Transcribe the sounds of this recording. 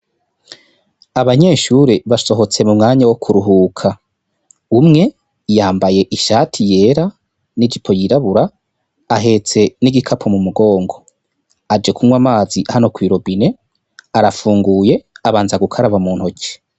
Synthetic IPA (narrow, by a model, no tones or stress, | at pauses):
aβaɲe̞ːʃuɾeβaso̞ɦo̞t͡se̞mumŋaːɲawokʰuɾuɦuːkʰa | umŋe̞ | jaːmbaje̞ʔiʃaːtʰije̞ːɾa | nid͡ʒipʰo̞jiɾaβuɾaː | ɦe̞t͡se̞niɡikʰapʰo̞mumuɡo̞ːŋɡo̞ | ad͡ʒe̞kʰuŋwamaːzihano̞kwiːɾo̞bine̞ | aɾafuːŋɡuːje̞aβaːnzaɡukʰaɾaβamuːn̥hoce̥